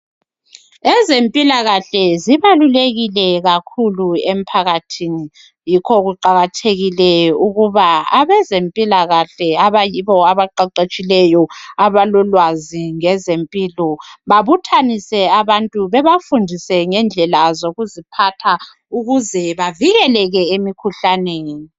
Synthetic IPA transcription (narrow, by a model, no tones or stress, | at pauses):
ɛzempʼilaɣaɬɛziβaluleɣilɛɣakʰuluem̩pʰaɣatʰini | jikʰɔɣuǃaɣatʰeɣilɛuɣuβaaβɛzempʼilaɣaɬɛaβajiβɔaβaǃaǃet͡ʃʼilɛjɔaβalɔlwaziŋɛzempʼilɔβaβutʰanisɛaβantʼuβɛβafundʱisɛŋɛnd͡ɮʱɛlazoɣuzipʰatʰa | uɣuzɛβaviɣɛlɛɣɛemikʰuɬaneːni